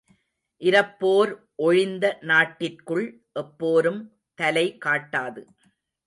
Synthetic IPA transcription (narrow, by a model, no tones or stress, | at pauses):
ʔɪɾɐpːoːɾ | ʔɔɻɪnd̪ɐnaːʈːɪrkɯɭ | ʔɛpːoːɾɯm | t̪ɐlɐɪkaːʈːaːðɯ